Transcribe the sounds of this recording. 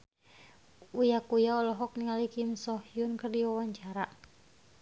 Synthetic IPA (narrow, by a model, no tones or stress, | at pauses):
ujakujaɔlɔɦɔk̚niŋalikimsɔhjunkərdiwawaɲt͡ʃaɾaʔ